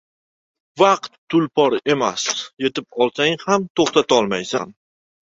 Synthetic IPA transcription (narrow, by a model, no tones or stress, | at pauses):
vɑq̚t̪ːʊlpʰɒɾe̞masje̞t̪ʰɪp̚ɒlˠsaŋhamt̪ʰoχt̪ʰat̪ɒlˠmajsa̰n